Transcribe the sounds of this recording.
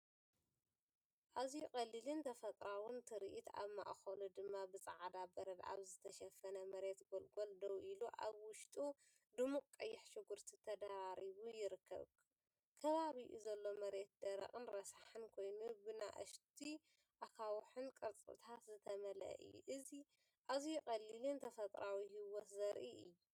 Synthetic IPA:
ʔazjukʼɐlilɨnt̪ʰɐfɐt̪ʼɾawɨnt̪ʰɨɾiʔit̪a̰βma̰ʔxɐlud̪ɨmːabɨsʼa̰ʕad̪abɐɾɐd̪a̰βzɨt̪ʰɐʃɐfɐnɐmɐɾe̞t̪ɡolɡold̪ɐwʔiluʔa̰βwʊʃt̪ʼu | d̪ɨmukʼkʼːɐjːɪħʃɨɡuɾt̪ʰit̪ʰɐd̪aɾaɾiβujɪɾɨkʰːɐ̰β | kʰɐβaβiʔzɐlːo̞mɐɾe̞t̪̚d̪̥ɐɾɐ̰χʼɨnɾɐsaħɨnkʰo̞jnubɨna̰ʔɨ̰ʃt̪ʰi | ʔakʰawħɨnkʼɨɾt͡sʼɨ̰t̪ʰat̪zɨt̪ʰɐmɐlɐ̰ʔɨ̰ʔɨzi | ʔazijɪkʼɐlːilɨnt̪ʰɐfɐt̪ʼɾawiɦɨwot̪zɐɾʔiʔɨ̰jːu

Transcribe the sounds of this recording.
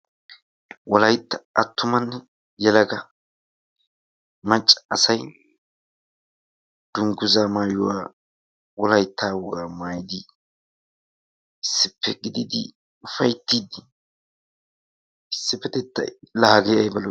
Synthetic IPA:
wɔlɐjt̪ːɐʔɐt̪ːʊmɐnːɛ | jɛlɐɡɐ | mɐt͡ʃʼːɐ̥ɐsɐj | d̪̥ʊŋɡʊzaːmaːjʊ̰wa̰ː | wɔlɐjt̪ːaːwɔɡaːmaːjɪd̪ɪ | ɪsːɪpʰːɛɡɪd̪ɪd̪ɪ̰ | ʊfɐjt̪ːiːd̪ɪ | ɪsːɪpːɛt̪ɛt̪ːɐ̰lɐhɡɛjɐjbɐl

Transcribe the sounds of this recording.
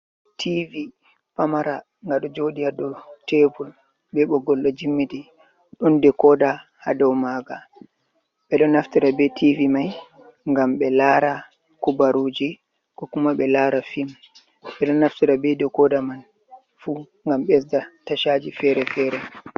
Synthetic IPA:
tʰivi | pamaɾa | ŋɡaɗɔd͡ʒodijadɔtebul | ɓɛɓɔɡɔlɗɔd͡ʒimːiti | ɗɔndɛkɔdaha̰dɔwmaɡa | ɓɛɗɔnːaftiɾabɛtʰivimaj | ŋɡamɓɛlaɾa | kubaɾud͡ʒi | kɔkumaɓɛlaɾafim | ɓɛɗɔnːaftiɾabɛdɛkɔdaman | fu | ŋɡamɓɛsdataʃad͡ʒifɛɾɛfɛɾɛ

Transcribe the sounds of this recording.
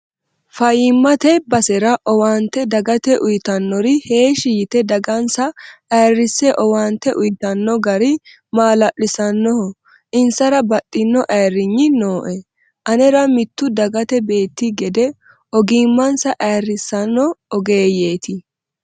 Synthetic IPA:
fɐjɪmːɐt̪ɛbɐsɛɾɐʔɔwaːnt̪ːɛd̪ɐɡɐt̪ɛʔʊjɪt̪ɐnːɔɾɪhe̞ːʃɪjɪt̪ɛd̪ɐɡɐnsɐʔɐjrːɪsːɛʔɔwaːnt̪ːɛʔʊjɪt̪ɐnːɔɡɐɾɪ | maːlɐʔːɪsɐnːɔhɔ | ʔɪnsɐɾɐbɐtʼːɪnːɔʔɐjrːɪɲːɪnoːʔɛ | ʔɐnɛɾɐmɪt̪ːʊd̪ɐɡɐt̪ɛbe̞ːt̪ːɪɡɛd̪ɛ | ɔɡiːmːɐnsɐʔɐjrːɪsɐnːɔːɡe̞ːje̞ːt̪ɪ

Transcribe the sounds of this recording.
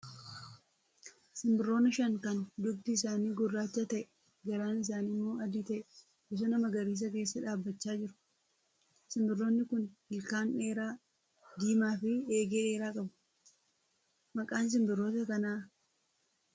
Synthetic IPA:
sɪmbɪrːo̞ːnɐʃɐŋkɐnd̪ʊbt̪ɪːsaːniːɡɔrːaːt͡ʃːat̪ɐʔɛ | ɡɐɾaːnɪs̬aːnɪmːo̞ːɐd̪ɪt̪ɐʔɛ | bɪs̬ɐnɐmɐɡɐɾiːs̬ɐk̬e̞ːsːɐᶑaːbːɐt͡ʃːaːd͡ʒɪɾʊ̥ | sɪmbɪrːo̞ːnːɪkʊnhɪlkaːne̞ːɾaː | d̪iːmaːfɪeːɡeᶑeːɾaːkʼɐbɐ̥ | mɐkʼaːns̬ɪmbɪrːo̞ːt̪ɐkɐnaː

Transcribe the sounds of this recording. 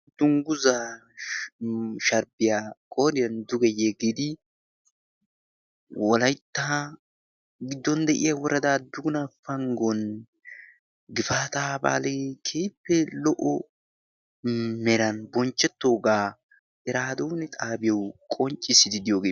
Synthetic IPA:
d̪̥ʊŋɡʊza | ʃɐɾbɪjakʼoːd̪ɪjɐnd̪ʊɡɛjɛɡed̪ɪ | wɔlɐjt̪ːa | ɡɪd̪ːɔnd̪ɛʔɪjawɔɾɐd̪aːd̪ʊɡʊnafɐŋɡɔn | ɡɪfaːt̪aːba̰ːlekʰeːjpːɛlɔʔɔ | mɛɾɐnbɔnt͡ʃːɛt̪ːoːɡaː | ɛɾaːd̪ownɪt̪ʼaːbɪjɐwkʼɔnt͡ʃʼːɪsɪd̪ɪd̪ɪjoːɡe

